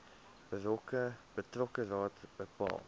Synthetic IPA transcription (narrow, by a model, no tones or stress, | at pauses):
b̥ərɔkəb̥ətrɔkərɑːtb̥əpɑ̰ːlˠ